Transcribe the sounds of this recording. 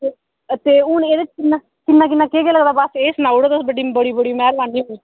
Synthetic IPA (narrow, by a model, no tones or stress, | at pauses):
e | t̪eːʊneːd̪ɪt͡ʃkɪnːãː | kɪnːaːk̬ɪnːaːkeːkeːləɡd̪aːbaseːsənaːuɽod̪əsbəɖiːbəɽiːbəɽiːmɛ̃ːɾbaːniːɦoi